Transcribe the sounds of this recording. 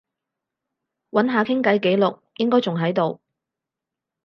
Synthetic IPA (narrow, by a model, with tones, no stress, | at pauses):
wɐ˨˥nɦaː˨kʰɪ˥ŋkɐ˨˥jke˨˥jlʊ˨k̚jɪ˥ŋkɔː˥jt͡sʊ˨ŋɦɐ˨˥jt̪o˨w